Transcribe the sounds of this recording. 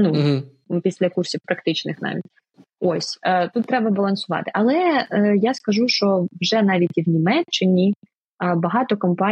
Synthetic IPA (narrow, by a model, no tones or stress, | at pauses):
nu | pʲisʲlʲɐkursʲiwpɾɐkt̪ɪt͡ʃnɪxnɑ̰ʋʲḭtʲ | ɔsʲt̪ut̪ːɾɛbɐbɐlˠɐnsʊʋɑ̰t̪ɪ̥ʔɐlˠɛjaskɐʒuʃt͡ʃɔʋʒɛnɑʋʲitʲiwnʲimɛt͡ʃːɪnʲi | bɐɦɑt̪ɔkɔmpɑ